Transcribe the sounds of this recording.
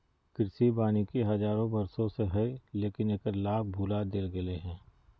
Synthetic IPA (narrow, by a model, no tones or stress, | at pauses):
kɪɾsibaːnikeɦɐzaːɾõbɐɾsõseɦɐeleːkɪneːkəɾlaːb̚bʱuːlad̪ɪlɡɪleɦɛ̃ː